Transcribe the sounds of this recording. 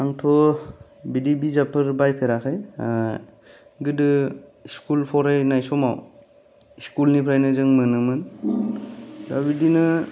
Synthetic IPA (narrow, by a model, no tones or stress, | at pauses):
aŋtʰɔ | bidibizapʰɯɾbajpʰeɾakʰɯj | ɡɯdɯiskulpʰɔɾajnajsɔma̰w | iskulnipʰɾajnɯzɯŋmɯnɯmɯn | dabidinɯ